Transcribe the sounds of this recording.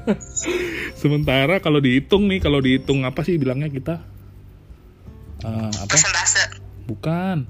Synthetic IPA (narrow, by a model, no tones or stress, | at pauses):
səmənt̪̬aɾakalodiɦit̪ʊŋnɪhkalodiɦit̪ʊŋapasɪhbilaŋɲakit̪a | ʔəa̰pasəasabukan